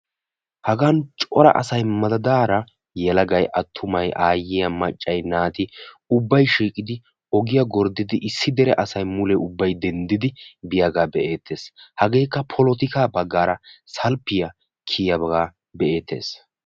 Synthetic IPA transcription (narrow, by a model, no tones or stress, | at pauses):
hɐɡant͡ʃʼɔɾɐ̰ʔɐ̰sɐjmɐd̪ɐd̪aːɾɐ | jɛlɐɡɐjʔɐt̪ʰːʊmɐjʔaːjɪjɐmɐt͡ʃʼːɐjnaːt̪ɪ | ʊbːɐjʃiːkʼɪd̪ɪ | ɔɡɪjɐɡɔɾd̪ɪd̪ɪʔɪsːɪd̪ɛɾɛʔɐsɐjmʊlɛʊbːɐjd̪ɛnd̪ɪd̪ɪbɪjɐɡaːbɛʔe̞ːt̪ːe̞ːshɐɡe̞ːkːɐpʰɔlɔt̪ɪkaːbɐɡːaːɾɐsɐlpːɪjɐ | kʰijɐbɐɡaː | bɛʔe̞ːt̪ʰːe̞̰ːs